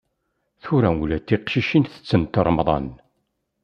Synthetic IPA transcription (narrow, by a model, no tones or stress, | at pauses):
θuɾæulæt̪ːiqʃiʃinθə̥t͡sːənt̪əɾˤmðˤɑ̰n